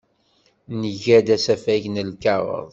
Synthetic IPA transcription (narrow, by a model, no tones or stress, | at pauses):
nəʝæd̪æsæfæʝnəlkɑɾˤə̰ðˤ